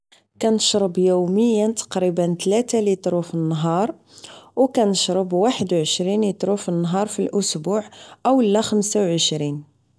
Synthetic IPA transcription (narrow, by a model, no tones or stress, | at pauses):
kænəʃɾˤəbjuwməjːət̪ɑ̥qɾibənt̪læt̪alit̪ɾufənːɦɑɾˤ | wkænəʃɾˤəbwaħəd̪wʕəʃɾinlit̪ˤɾufənːɦɑɾˤfilʔʊsbuʕʔəwlːæxəmsawʕəʃɾin